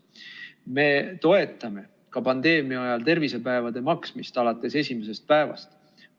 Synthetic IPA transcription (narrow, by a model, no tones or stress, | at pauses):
me̞t̪o̞e̞t̪ːˑɑme̞ | kɑpɑnd̪̥e̞ːmiɑɑjɑlt̪e̞rvise̞pæevɑd̪e̞mɑksmist̪ɑlɑt̪ːˑe̞se̞sʲime̞s̬e̞st̪̚pæe̞vɑ̰st̪